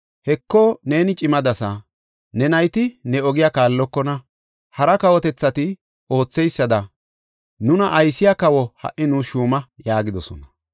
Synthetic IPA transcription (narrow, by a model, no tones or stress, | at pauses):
hɛkːɔne̞ːnɪt͡ʃʼɪmɐd̪ɐsɐ | nɛnɐjt̪ɪnɛɔɡɪjakaːlːɔkːɔnɐ | hɐɾɐkɐwɔt̪ɛt͡sːɐt̪ɪ | o̞ːt͡sːɛjsːɐd̪ɐ | nʊnɐʔɐjsːɪjakɐwɔhɐ̰ʔɪnuːʃuːmɐjaːɡɪd̪ɔsɔ̰nɐ